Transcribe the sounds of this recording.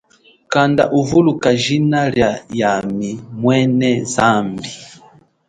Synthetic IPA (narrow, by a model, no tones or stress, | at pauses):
kanda̰ʔuvulukaʒinaɾjajamimwɛnɛzambi